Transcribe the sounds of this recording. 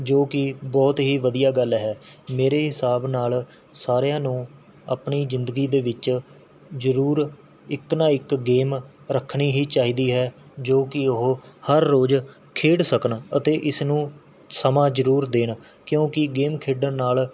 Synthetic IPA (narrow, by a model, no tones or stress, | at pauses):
d͡ʒoːkɪbɔːt̪ɦiːʋəd̪ijaːɡəlɦɛːmeːɾeːɦɪsaːbnaːl | saːɾejãːnũː | a̰ːpɳiːzɪnd̪əɡiːd̪eːʋɪt͡ʃ | zəɾuːɾ | ɪknãːɪkɡeːm | ɾəkʰɳ̃iːɦiːt͡ʃaːiːd̪iːɦɛːd͡ʒoːkɪʊɦhəɾːoːd͡ʒ | kʰeːɽsəkəɳət̪eːʔɪsnũː | səmãːd͡ʒəɾuːɾd̪eːɳ | kjõːkɪɡeːmkʰeːɖənnaːl